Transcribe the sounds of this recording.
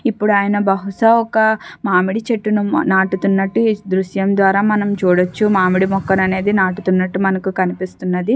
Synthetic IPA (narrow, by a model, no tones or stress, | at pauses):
ipːuɽuaːjɐnɐbɐɦuʂɐɔkɐmaːmiɽit͡ʃeʈːununaːʈut̪unːɐʈːid̪ɾuʃjɐmd̪ʋaːɾaːmɐnɐmt͡ʃuːɽɐt͡ʃːumaːmiɽimɔkːɐnɐne̞ːd̪inaːʈut̪unːɐʈːumɐnɐkukɐnipist̪unːɐd̪i